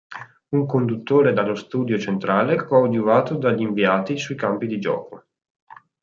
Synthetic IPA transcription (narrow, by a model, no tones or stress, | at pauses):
uŋkond̪ut̪ːoːɾed̪alːost̪uːd̪jot͡ʃent̪ɾaːlekɔd̪juvaːt̪od̪aʎːiɱviaːt̪isuikampid̪id͡ʒɔ̰ːko